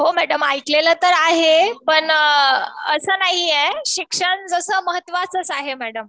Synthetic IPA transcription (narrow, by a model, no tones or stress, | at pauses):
ɦomæɽəmajklelət̪əɾaɦepəɳ | əsəːnaɦijeɕikʂəɳd͡zəsəːməɦət̪ːʋat͡sət͡saɦemæɽəm